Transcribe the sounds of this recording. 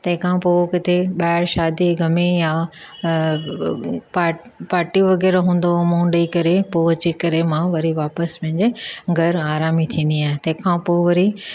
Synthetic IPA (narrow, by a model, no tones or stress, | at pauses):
t̪ɐ̃ɦɪ̃kʰãpoːkɪt̪eɓaːɪɾʃaːd̪iɡɐmeja | paːpaːɾʈiʋɐɣɛːɾɦũːn̆d̪omũːɳɖəikɐɾepoːʋɐt͡ɕikɐɾemãʋɐɾiʋaːpəspɐ̃ɦɪ̃ɲd͡ʑeɡʱɐɾaːɾaːmit̪ʰĩːn̆d̪iaːɦɪ̃t̪ɐ̃ɦɪ̃kʰãpoːʋɐɾi